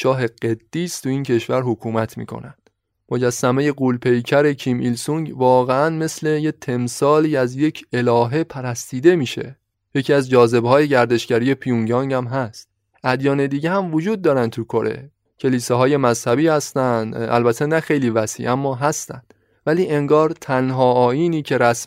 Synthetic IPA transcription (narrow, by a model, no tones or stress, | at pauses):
ʃɒːɦe̞ɢed̪̥ːiːst̪ʰuiːncʰe̞ʃvæɾhokʰuːmæt̪ʰmḭːkʰo̞̰nænd̪̥ | mod͡ʒæsːæmeje̞ɡuːlpʰe̞jcʰæɾe̞cʰiːmʔilsuŋɟvɒːɣeænme̞sle̞jet̪ʰe̞msɒːliːæzje̞cʰe̞lɒːɦe̞pʰæɾæst̪iːd̪e̞miːʃe̞̰ | je̞cʰiːæzd͡ʒɒːze̞bhɒːje̞ɟæɾd̪e̞ʃɟæɾiːje̞pʰijuŋɟɒːŋɟæmɦæst̪̚ | ʔæd̪jɒːne̞d̪iːɟehæmvod͡ʒuːd̪̚ːɒːɾæn̚t̪ʰukʰo̞ɾe̞̰ | cʰe̞liːseɦɒːje̞mæzhæbiːhæst̪ænd̪æ̰lbæt̪ʰenæxe̞jliːvæsḭːʔæmːɒːɦæst̪ænd̪̥ | væliːʔe̞ŋɡɒːɾt̪ʰænɦɒːɒːjiːniːcʰe̞ɾæs